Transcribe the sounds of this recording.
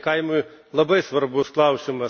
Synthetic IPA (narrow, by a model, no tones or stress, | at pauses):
kɑjmʊj | lˠɐbɪsʋɐrbʊsklˠɑwʃʲɪmɐ